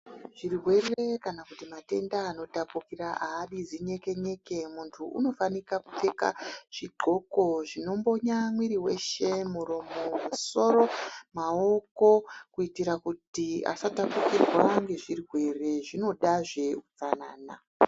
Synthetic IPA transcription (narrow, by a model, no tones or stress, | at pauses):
ʐ̥irrwe̞re̞kanakutimate̞ndaːno̞tapukiraʔaːɗid͡ziɲe̞ke̞ɲe̞ke̞muntʰuṵno̞fanikaku̥te̞ka̰ʐ̥iɡ͡ǃʱo̞ko̞ʐino̞mbo̞ɲamwiɾiwe̞ʃe̞muɾo̞momuso̞ɾo̞mao̞ko̞kuitiɾakutia̰satapukirwaŋɡe̞ʐirwe̞re̞ʐino̞ɗaʐe̞ut͡sana̰ːna̰